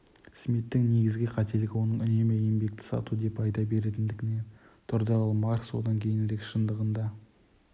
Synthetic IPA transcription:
smit̪ːɪŋneɡʲɪzɡʲɪqʰɑt̪e̞lɪɡʲɪwo̞nəɴʏne̞meje̞mbe̞k̚t̪ɪ̥sɑ̰t̪ud̪e̞pɑjd̪ɑbe̞ɾe̞t̪ɪnd̪ɪɡʲɪne̞n | t̪ʰʊɾd̪ɑlˠmɑɾkswo̞̰d̪ɑŋkʲʰe̞jɪnɾe̞kʃənd̪əʁənd̪ɑ

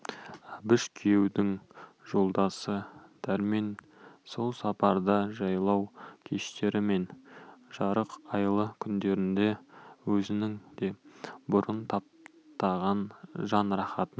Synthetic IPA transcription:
bɪʃkʲʰije̞wd̪ɪŋʒ̥o̞lˠd̪ɑsəd̪̥ʰæɾmen | so̞lˠsɑpɑɾd̪ɑʒɑjlˠɑwkʲʰe̞ʃt̪e̞ɾɪme̞nʒ̥ɑɾəqɑjlˠəkʲʰʏnd̪e̞ɾɪnd̪e̞wɵzɪnɪŋd̪̥e̞bʊɾənt̪ʰɑp̚ | t̪ɑʁɑnʒɑnɾɑχɑt̪ən

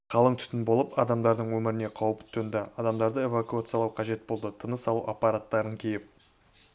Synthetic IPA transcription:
qʰɑlˠəɴt̪ʰʏ̥st̪ɪnbo̞lˠəpɑd̪ɑmd̪ɑɾd̪əɴwɵmɪɾɪne̞qʰɑwəpt̪ʰːɵnd̪ɪɑd̪ɑmd̪ɑɾd̪əe̞vakuat̪sɨjɑlˠɑwqʰɑʒe̞t̪̚bo̞lˠd̪ət̪ʰənəsɑlˠuʔapːɑɾat̪ːɑɾənkʲʰejɪp̚

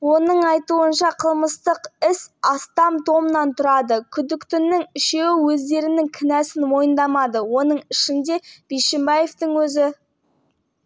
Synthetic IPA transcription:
wo̞nəɴɑjt̪uənʃɑqʰəlˠməst̪əqɪsɑst̪ɑmt̪ʰo̞mənɑnt̪ʰʊɾɑd̪əkʲʰʏd̪ɪkt̪ʏnːɪŋɪʃe̞wɪwɵzd̪e̞ɾɪnɪŋkʲʰɪnæsɪnmo̞jənd̪ɑmɑd̪əwo̞nəɴɪʃɪnd̪e̞b̥ejʃɪmbɑje̞ft̪əɴwɵzɪ

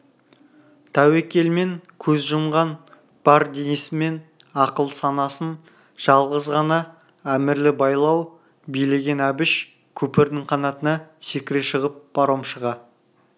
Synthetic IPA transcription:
t̪ʰæwekʲe̞lme̞ŋkʲʰɵzʒəmʁɑn | b̥ɑɾd̪enɪsɪme̞nɑqəlˠsɑnɑsən | ʒ̥ɑlˠʁəzʁɑnɑ | æmɪɾlɪbɑjlˠɑw | bijle̞ɡʲe̞næbɪʃ | kʲʰɵpɪɾd̪ɪŋqʰɑnɑt̪ənɑsekʲɪɾeʃəʁəp̚b̥ɑɾomʃəʁɑ

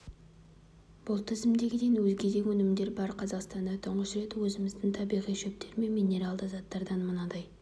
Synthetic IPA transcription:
b̥ʊlˠt̪ʰɪzɪmd̪e̞ɡʲɪd̪enwɵzɡʲe̞d̪e̞wɵnɪmd̪e̞ɾbɑɾqʰɑzɑqst̪ɑnd̪ɑt̪ʰʊɴʁəsɾe̞t̪wɵzɪmɪzd̪ɪŋt̪ʰɑbijʁijʃep̚t̪ʰe̞ɾme̞mijne̞ɾɑlˠd̪əzɑt̪ːɑɾd̪ɑnmənɑd̪ɑj

